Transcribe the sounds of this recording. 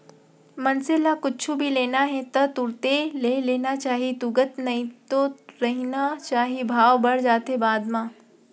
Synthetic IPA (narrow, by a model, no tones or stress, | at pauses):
mɐnselakʊt͡ʃʰubʱileːnaɦɛt̪ɐt̪ʊɽt̪eleːleːnat͡ʃaːɦit̪ʊɡət̪nɐɦĩt̪oɾɐɦinat͡ʃaːɦibʱaːʋbɐɽd͡ʒaːt̪ɦebaːd̪mãː